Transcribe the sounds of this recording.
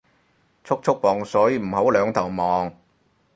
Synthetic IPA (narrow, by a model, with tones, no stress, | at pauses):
t͡ʃʰʊ˥k̚t͡ʃʰʊ˥k̚pɔː˨ŋsɔː˨˥jiː˨˧m̩˨˩ho˨˥wlœː˨˧ŋt̪ʰɐ˨˩wmɔː˨˧ŋ